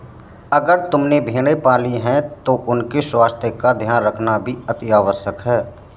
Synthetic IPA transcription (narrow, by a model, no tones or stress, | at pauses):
əɡəɾt̪ʊmnebʱiːɽ̃epaːliɦɛ̃t̪oʔʊnkeswaːst̪ʰjəkad̪ʱjaːnɾəkʰnabʱiət̪ɪjaːʋəsəkɦɛː